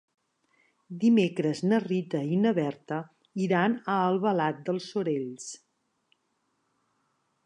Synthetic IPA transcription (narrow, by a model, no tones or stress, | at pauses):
d̪imekɾəznərit̪əinəβɛɾt̪ə | iɾanəːlˠβəlat̪̚d̪əlˠsuɾeʎs